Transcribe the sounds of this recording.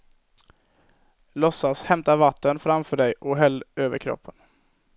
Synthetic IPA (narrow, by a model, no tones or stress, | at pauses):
lɔsːashɛmt̪avat̪ʰːənfɾamfœːɖɛjʔɔɦɛlːøːvə̰ɾkʰɾɔ̰pʰːən